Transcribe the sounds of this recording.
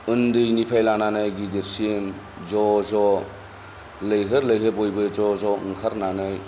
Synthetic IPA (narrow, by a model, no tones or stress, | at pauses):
ɯndɯjnipʰajlananɯjɡideɾsiem | zɔzɔ | lɯjɦɯɾlɯjɦɯbɔjbɯjzɔzɔɯŋkʰaɾnanɯj